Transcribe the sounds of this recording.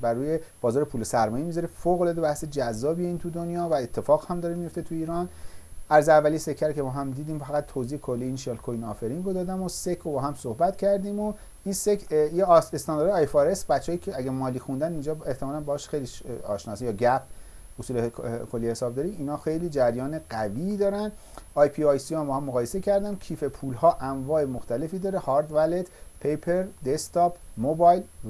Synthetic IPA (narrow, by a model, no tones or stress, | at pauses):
bæɾuːjeb̥ɒːzɒːɾepʰuːlesæɾmɒːjemizɒɾifoɣolɒd̪ebæhse̞d͡ʒæzːɒːbieiːnt̪ʰud̪o̞njɒːvæe̞t̪ʰːe̞fɒːɣhæmd̪ɒːɾemijo̞ft̪et̪ʰuiːɾɒnæɾzeævːælise̞kʰːæɾkʰebɒːɦæmd̪iːd̪iːmfæɣæt̪ʰːoziːekʰolːiiːnʃielkʰojnɒːfeɾinɾod̪ɒːd̪æmosekʰobɒːɦæmsohbæt̪cʰæɾd̪imo | insekʰjeest̪ɑnd̪ɑɾːjfoːɾesbætt͡ʃːehːjicʰeæɡæmɒːliːxund̪ænind͡ʒɒːe̞ht̪ʰemɒːlænbɒhːʃxejliʃɒ̰ːʃnɒːsijɒːɟæp̚ʰ | osuːlekʰolːihe̞sɒːbd̪ɒːɾiiːnhɒːxejliːd͡ʒæɾjɒːneɡæviːd̪ɒːɾænd̪ | ɒjpʰiɒjsijombɒːhæmːoɣɒːje̞se̞cʰæɾd̪æncʰiːfe̞pʰuːlhɒːʔæmvɒːemoxt̪æle̞fiːd̪ɒːɾehɒːɾd̪væled̪pʰejpʰeɾd̪est̪ɒːpmobɒjl